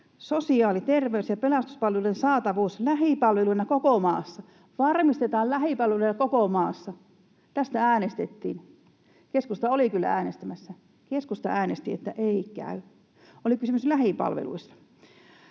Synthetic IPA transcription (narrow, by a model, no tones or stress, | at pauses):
sosiɑːlit̪erʋeysjɑpelɑst̪u̥spɑlʋeluˑensɑːt̪ɑʋuːslæhipɑlʋeluinɑkokomɑ̰ːsːɑ | ʋɑrmist̪et̪ɑːllæhipɑlʋeluinɑkokomɑːsːɑ | t̪æst̪ææːnest̪et̪ːḭːn | keskust̪ɑolikylːæ̰æːnest̪æmæsːæ | keskust̪ɑ̰æːnest̪iḛt̪ːæʔeikæ̰y | ʔolikysymyslæhipɑ̰lʋḛlṵisːɑ̥